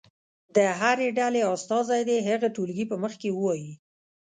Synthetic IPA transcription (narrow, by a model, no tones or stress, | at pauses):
d̪əɦaɾeɖaleɑst̪ɑzajd̪eɦaɣaʈulɡipəməxkewəwɑji